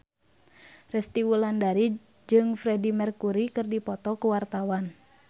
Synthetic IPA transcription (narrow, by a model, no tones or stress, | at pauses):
rɛst̪iwulandaɾi | d͡ʒɨŋfɾɛdimɛrkuɾikɨrdipɔt̪ɔkuwart̪awan